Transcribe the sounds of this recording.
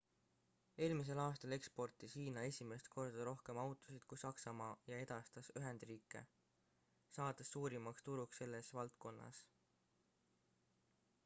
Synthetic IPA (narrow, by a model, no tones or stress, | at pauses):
e̞ːlmis̬e̞lɑːst̪ɑle̞kspo̞rt̪ˑisiːnɑe̞sʲime̞st̪̚ko̞rd̪̥ɑɾo̞hke̞mɑwt̪ˑusid̪̥kusɑksɑmɑːjɑe̞d̪̥ɑst̪ɑsyɦe̞nd̪riːkːˑe̞̰ | sɑːd̪̥ɑsːuːɾimɑkst̪uɾuksːe̞lːesvɑlt̪ko̞nːɑ̰s